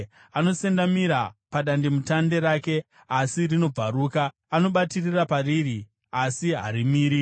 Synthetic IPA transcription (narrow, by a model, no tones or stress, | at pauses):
ano̞se̞ndamiɾapaɗandemutande̞ɾaːke̞ | asirino̞b͡vaɾuːkaː | noɓatirirapariːri | asiɦa̰ɾimiːɾi